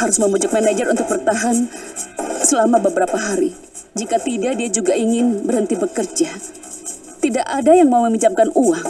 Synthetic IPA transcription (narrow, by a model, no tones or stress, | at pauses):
haɾʊsməmud͡ʒʊk̚manad͡ʒərunt̪ʊk̚bərt̪aɦan | səlamabəbəɾapaɦaɾi | d͡ʒikat̪idadiad͡ʒuɡaʔiŋɪnbərɦənt̪ibəkərd͡ʒa | t̪idaʔadajaŋmauməmit͡ʃap̚kanuaŋ